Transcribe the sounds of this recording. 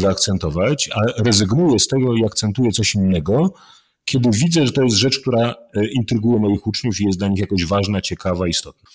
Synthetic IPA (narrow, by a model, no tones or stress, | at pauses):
vɛakt̪sɛnt̪ɔvat͡ɕaɾɛzɘɡnujɛst̪ɛɡɔiakt̪sɛnt̪ujɛt̪sɔɕinːɛɡɔ | kʲɛd̪ɘvʲid̪zɛʐɛt̪ɔjɛst̪ʐɛt͡ʂkt̪uɾaint̪ɾɘɡujɛmɔjixut͡ʂɲufijɛslaɲixjakɔʑvaʐnat͡ɕɛkavaist̪ɔt̪̚na